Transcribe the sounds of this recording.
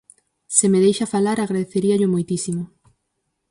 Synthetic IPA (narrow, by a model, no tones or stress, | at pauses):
semeðejʃafalaɾaɣɾaðeθeɾiaʎʊmojt̪isimo